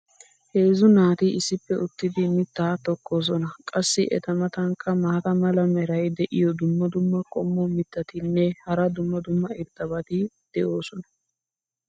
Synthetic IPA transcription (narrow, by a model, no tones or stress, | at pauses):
heːzʊnaːt̪iʔɪsːɪpːɛʔʊt̪ːɪd̪ɪmɪt̪ːaːt̪ɔkːo̞ːs̬ɔnɐkʼɐsːɪʔɛ̰t̪ɐmɐt̪ɐŋkʼːɐmaːt̪ɐmɐlɐmɛɾɐjd̪ɛʔɪjɔd̪ʊmːɐd̪ʊmːɐkʼɔmːɔmɪt̪ːɐt̪ɪnːɛhɐɾɐd̪ʊmːɐd̪ʊmːɐɪɾt̪ːɐbɐt̪ɪ | d̪̥ɛʔo̞ːsɔnɐ̥